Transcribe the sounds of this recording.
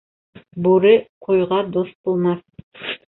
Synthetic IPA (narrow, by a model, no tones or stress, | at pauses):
boɾɪqʰojʁɑd̪ost̪̚bolˠmɑ